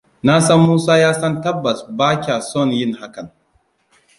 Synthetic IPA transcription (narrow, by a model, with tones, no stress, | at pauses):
na˦sɐ˦mːuː˦saː˦jaː˦sɐ˦ntɐ˦bːɐ˨sbaː˦kʲa˨sɔ˦˨njɪ˦ŋha˦kɐ˨ŋ